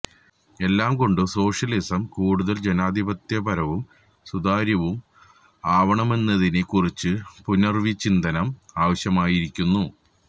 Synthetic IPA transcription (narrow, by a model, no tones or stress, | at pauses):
e̞lːaːmko̞ɳɖɨso̞ːʂɐlisɐmkuːɽuðɐld͡ʑe̞naːd̪ʱibɐt̪jɐbɐɾɐʋum | sud̪aːɾjɐʋum | aːʋɐɳɐme̞nːɐðinekurit͡ɕːɨpunɐrʋit͡ɕːind̪ɐnɐmaːʋɐɕjɐmaːjiɾikʲːunːu